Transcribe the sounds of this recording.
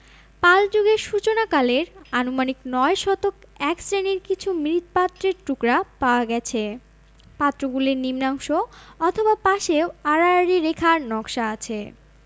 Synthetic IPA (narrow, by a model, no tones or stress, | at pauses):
pald͡ʑoɡeɾʃut͡ɕonakaleɾanumaniknɔeʃɔt̪ok | ɛksɾeniɾkit͡ɕʰumiɾit̪pat̪ːɾeɾʈukɾapaoaɡɛt͡ɕʰe | pat̪ːɾoɡuleɾnimnaŋʃoɔt̪ʰobapaʃeoaɾaɾiɾekʰaɾnɔkʃaat͡ɕʰe